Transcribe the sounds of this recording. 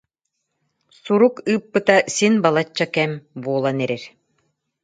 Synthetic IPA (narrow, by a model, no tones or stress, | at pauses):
suɾukɯːpːɯt̪asinbalˠat͡ɕːakɛmbuɔlˠanɛɾɛɾ